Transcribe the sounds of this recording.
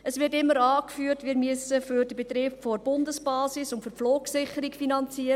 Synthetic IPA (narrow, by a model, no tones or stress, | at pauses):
əsʋɪɾtɪmːəɾɑːkfyːərtʋiːɾmyəsəfyɾdəbet̪ɾeːbfoɾb̥ʊndəsb̥ɑːsisʊntfʏɾfloːksɪχəɾikfinɑnt͡siːəɾ